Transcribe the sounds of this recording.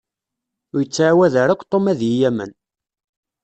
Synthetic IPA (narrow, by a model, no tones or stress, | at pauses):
ʊɾjət͡sːʕawæðəɾækʷːt̪ˤːomæðjijæmə̰n